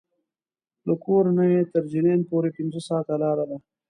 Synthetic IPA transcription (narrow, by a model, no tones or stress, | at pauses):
ləkoːɾnajet̪əɾd͡ʒineːnpoːɾepɪnzosɑːt̪alɑːɾad̪a